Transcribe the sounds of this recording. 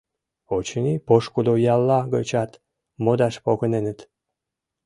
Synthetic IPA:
ot͡ɕənipoʃkud̪ojɑlːɑɡət͡ɕɑt̪ | mod̪ɑʃpokənenət̪

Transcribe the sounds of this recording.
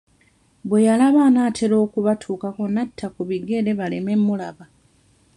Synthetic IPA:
bwe̞jalaβaːnaːtʰe̞ɾo̞ːkuβatʰuːkako̞natʰːakuβiɡe̞ɾe̞βale̞me̞mːulaβa

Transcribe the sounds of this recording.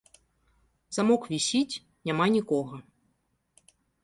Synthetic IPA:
z̥amɔkvʲisʲit͡sʲ | nʲamanʲikɔɣɐ

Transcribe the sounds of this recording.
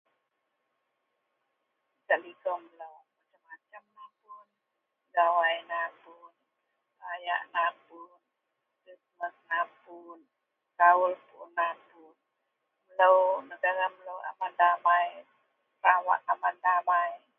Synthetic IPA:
kaʔliɡɔmləwmat͡ʃamːat͡ʃamnapun | ɡawajnapun | aja̰ʔnapun | tusməs̚napun | kaulpunapun | mləwnəɡaɾamləwa̰mandamaj | tawa̰ʔamandamaj

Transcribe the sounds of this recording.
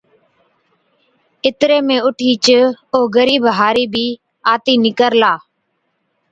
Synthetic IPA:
ɪt̪ɾeːmẽːʊʈʰiːt͡ʃoːɡəɾiːbʱɦaːɾiːbʱiː | aːt̪iːnɪkəɾlaː

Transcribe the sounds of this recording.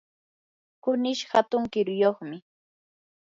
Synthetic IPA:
kʊnɪʃhat̪ʊŋkɪɾʊjoχmɪ

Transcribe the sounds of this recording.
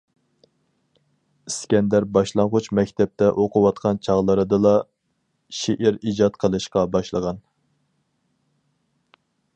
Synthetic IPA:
skʲɛnd̪æɾbɑʃlˠɑŋʁʊt͡ʃmɛkʲt̪ʰɛp̚t̪ʰɛʔoqʰʊwɑt̪̚qʰɑnt͡ʃʰɑʁlˠəɾɨd̪ɨlˠɑ | ʃeʔiɾid͡ʒɑt̪̚qʰəlˠɨʃqɑbɑʃlˠəʁɑn

